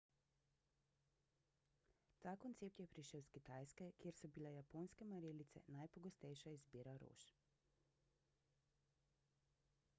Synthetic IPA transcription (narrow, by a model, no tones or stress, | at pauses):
t̪aːkɔnt̪seːp̚t̪jɛpɾiʃəwskit̪aːjskɛkjeːɾsɔbilajapoːnskɛmaɾeːlit̪sɛ̰najpɔɡɔst̪ɛjʃaizbiːɾaɾo̰ːʃ